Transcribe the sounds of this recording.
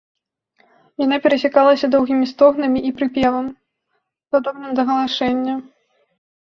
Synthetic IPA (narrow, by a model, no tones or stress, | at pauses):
janapʲɛɾɐsʲakalˠɐsʲɐd̪ɔwɣʲimʲist̪ɔɣnɐmʲiʔipɾɨpʲɛvɐm | d̪ad̪ɔbnɨmd̪ɐɣɐlˠaʂɛnʲːɐ